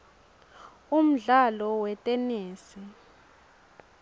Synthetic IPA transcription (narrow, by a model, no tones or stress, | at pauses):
um̩ɮalɔwɛtʼɛneːsi